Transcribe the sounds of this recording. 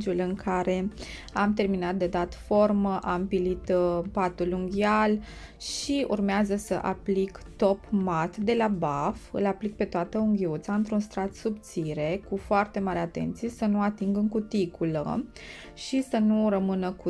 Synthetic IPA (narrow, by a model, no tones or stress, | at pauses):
d͡ʒulɨŋkʰaɾe̞ | amt̪e̞rminat̪̚d̪e̞d̪at̪fo̞rməʔampilit̪pat̪uluŋɡʲial | ʃiʔṵrmeazəsəʔa̰plikt̪o̞pmat̪d̪e̞labafɨ̰laplik̚pe̞t̪oat̪əuŋɡʲiut̪saɨnt̪ɾunst̪ɾat̪subt̪siɾe̞kufoart̪e̞maɾeat̪e̞̰nt̪sijesənuat̪iŋɡɨŋkut̪ikulə̰ | ʃisənurəmɨnəku